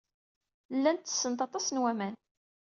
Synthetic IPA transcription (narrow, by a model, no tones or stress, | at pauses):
lːænt̪ːə̥sːənt̪ɑt̪ˤɑsnwæmæn